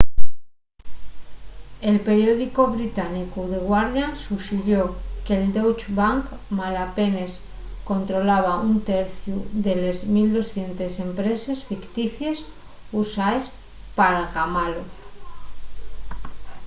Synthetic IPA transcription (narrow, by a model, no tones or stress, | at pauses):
e̞lpe̞ɾjo̞ðikoβɾit̪anikuðe̞ɣwaɾðjansusiðjokeld̪owt͡ʃbaŋkmalape̞nes | ko̞nt̪ɾo̞laβ̞aunt̪eɾθjuðe̞lezmild̪o̞sθje̞nt̪ese̞mpɾe̞se̞sfikt̪iθjes | usaes | paɾaɣamalo